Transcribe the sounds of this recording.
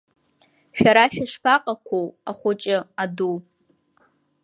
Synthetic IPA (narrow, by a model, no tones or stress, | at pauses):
ʃᶣaɾaʃᶣaʂpʰaqʼakʷʰowaχʷʊt͡ʃʼɪadu